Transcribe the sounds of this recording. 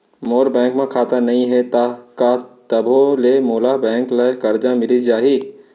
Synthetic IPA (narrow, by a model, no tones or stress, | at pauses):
moːɾbɛ̃ːŋkmẽkʰaːt̪anɐɦĩɦɛt̪akat̪əbʱolemoːlabɛ̃ːŋklekəɾd͡ʒamɪlid͡ʒaːɦiː